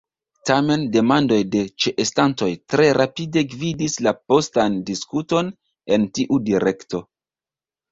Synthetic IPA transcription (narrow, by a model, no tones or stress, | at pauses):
tame̞nde̞mando̞jde̞t͡ʃeʔestanto̞jtɾe̞ɾapide̞ɡvidislapo̞standiskuto̞n | e̞ntiʔudiɾe̞kto̞